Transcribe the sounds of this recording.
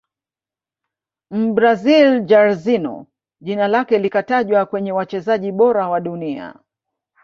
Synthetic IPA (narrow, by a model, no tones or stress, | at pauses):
m̩bɾazild͡ʒaɾzinɔ̰ | ʄinalakɛlikataʄwakwɛɲɛwat͡ʃɛzaʄiɓɔɾawaɗunia̰